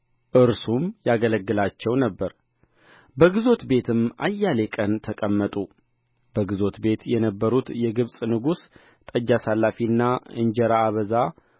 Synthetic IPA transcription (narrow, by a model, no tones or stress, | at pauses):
ʔɨɾsumjaɡələɡːɨlat͡ʃːɛwnəbːəɾ | bəɡɨzo̞t̪be̞t̪ʰɨmʔa̰jːale̞kʼənt̪ʰəkʼəmːət̪ʼu | b̥əɡɨzo̞t̪be̞t̪jɛnəbːəɾut̪jɛɡɨβsʼnɨɡus | t̪ʼəd͡ʒːasalːafinːaɨ̰nd͡ʒɛɾaːβəza